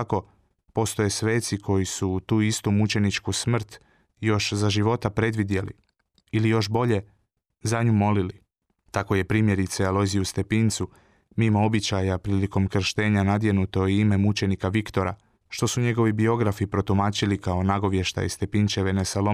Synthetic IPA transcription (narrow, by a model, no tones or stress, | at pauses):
ako̞ | po̞st̪o̞je̞sʋe̞ːt̪sikʰo̞jisut̪uːist̪umut͡ʃe̞nit͡ʃkusmr̩t̪ | jo̞ʃzaʒiʋo̞t̪apɾe̞d̪ʋid̪je̞lḭ | ilijo̞ʃbo̞ʎe̞ | zaɲumo̞lili | t̪ako̞je̞pɾiːmje̞ɾit̪sealˠo̞ziust̪e̞pint̪su | mimoo̞bit͡ɕajapɾiːliko̞mkr̩ʃt̪e̞ːɲanad̪je̞nut̪o̞ime̞mut͡ʃe̞nikaʋikt̪o̞ɾa̰ | ʃt̪o̞suɲe̞ɡo̞ʋibio̞ɡɾafipɾo̞t̪umaːt͡ɕilikao̞naɡo̞ʋje̞ʃt̪a̰ist̪e̞pint͡ʃe̞ʋe̞nesalo